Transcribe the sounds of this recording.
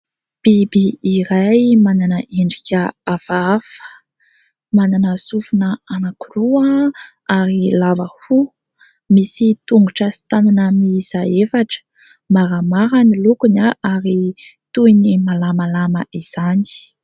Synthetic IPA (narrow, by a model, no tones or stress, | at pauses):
b̥ibiːɾajmananəʔeɳɖ͡ʐikʲəavaafə̥ | mananəsufunəanakuruaə | aɾilavəhu | misit̪uŋɡuʈ͡ʂəsi̥t̪ananəmiz̥aefaʈ͡ʂə̥ | maɾamaɾanilukunaʔaɾit̪uinimalamalaməʔiz̥ani̥